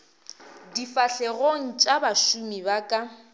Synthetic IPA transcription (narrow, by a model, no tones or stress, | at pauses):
difaɬɛɣoŋ̩t͡ʃʼabaʃumibakʼa